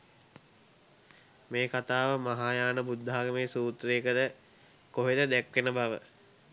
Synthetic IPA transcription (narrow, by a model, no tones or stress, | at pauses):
meːkat̪aːʋəmaɦaːjaːnəbud̪ʱːaɦaɡəmeːsuːt̪ɾeːkəd̪ə | koɦed̪əd̪ækʋenəbaʋə̰